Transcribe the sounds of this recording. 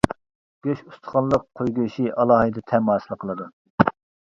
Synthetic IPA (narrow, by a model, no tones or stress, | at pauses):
ɡ̥ʲøʃust̪ʰχɑnlˠəqʰːojɡuʃiʔɑlˠɑːhɨd̪ɨt̪ʰɛmɑːsɨlˠəqʰəlˠɨd̪u